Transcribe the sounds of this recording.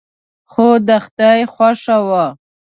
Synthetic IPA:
xod̪axt̪ajxwaʂawa

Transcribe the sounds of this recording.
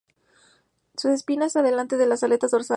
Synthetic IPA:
suse̞spinasaðe̞lant̪e̞ðe̞lasale̞t̪azðoɾsa

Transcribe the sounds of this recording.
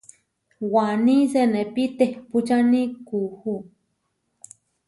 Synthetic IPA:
wanisenepit̪ehput͡ʃanikuhu

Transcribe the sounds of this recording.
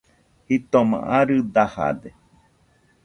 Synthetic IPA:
hit̪omã̰ʔaɾɨd̪aha̰d̪e

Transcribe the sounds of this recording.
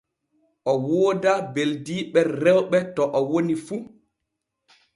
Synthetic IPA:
ʔɔwoːdabeldiːɓɛːɛwɓɛtɔʔɔwonifu

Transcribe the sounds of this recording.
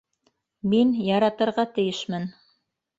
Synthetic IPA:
minjɑɾɑt̪ɤ̆ɾʁɑt̪ɘ̆jɘʃmɘn

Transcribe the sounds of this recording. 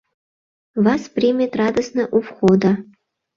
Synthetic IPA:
vɑsprʲimʲet̪rɑd̪əsnɤʔufχod̪a

